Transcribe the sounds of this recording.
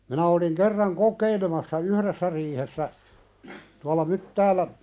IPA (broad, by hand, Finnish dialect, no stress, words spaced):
minæ oliŋ kerːɑŋ kokˑeilemɑsːɑ uhɾesːæ riːhesːæ tuɑlɑ mytːæːlæ